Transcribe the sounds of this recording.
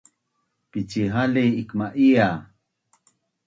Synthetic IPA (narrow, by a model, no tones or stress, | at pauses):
pit͡ʃiɦaliikmaʔia